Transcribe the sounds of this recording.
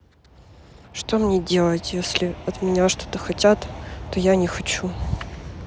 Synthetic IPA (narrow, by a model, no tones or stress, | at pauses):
ʂt̪o̞mnʲedʲe̞lˠətʲjesʲlʲɪɐt̪mʲɪnʲaʂt̪o̞̥t̪əxɐtʲat̪t̪ːojanʲɪxɐt͡ɕu